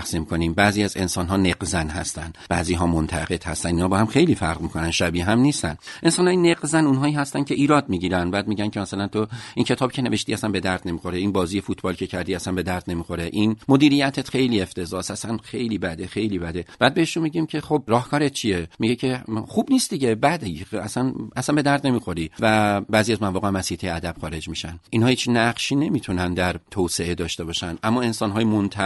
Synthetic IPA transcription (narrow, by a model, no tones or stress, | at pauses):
χsiːmkʰo̞nimbæːziːæze̞̰nsɒːnɦɒːneqzænhæst̪ænd̪b̥æ̰ːziːɦɒːmont̪ʰæʁe̞d̪̥hæ̰st̪ænd̪inhɒːbɒːhæmxe̞jliːfæ̰ɾʁmikʰo̞nænʃæbiːɦæmniːst̪æ̰nʔe̞nsɒːnhɒːjineqzænunɦɒːiːhæst̪ænkʰe̞ʔiːɾɒːd̪̚miːɟiːɾænbæːd̪̚miːɟæncʲʰe̞mæsælænt̪ʰoincʰe̞t̪ʰɒːbcʰe̞ne̞ve̞ʃt̪iːæsænbe̞d̪æɾd̪ne̞miːxo̞ɾeiːnbɒːziːje̞fuːt̪ʰbɒːlcʲʰe̞cʰæɾd̪iːæsænbe̞d̪æɾd̪̥ne̞miːxo̞ɾeʔinmo̞d̪iːɾijæt̪ʰet̪χe̞jliːe̞ft̪ʰe̞zɒːsæsænxe̞jliːbæd̪e̞xe̞jliːbæd̪e̞b̥æːd̪̚be̞heʃunmiɟiːmcʰe̞xob̚ɾɒːhkʰɒːɾet̪̚t͡ʃʰijemiɟecʰe̞xubniːstd̪iɟe̞bæd̪eæsænʔæsænbe̞d̪æɾd̪ne̞miːxo̞ɾivæbæːzijæzmævɒːɣemæsiht̪ʰejeæd̪æb̥xɒːɾe̞d͡ʒmiːʃænʔinhɒːhiːt͡ʃnæɢʃiːne̞miːt̪ʰunænd̪æɾt̪ʰose̞e̞d̪ɒːʃt̪e̞bɒːʃænʔæmːɒːe̞nsɒːnɦɒːjemont̪ʰæ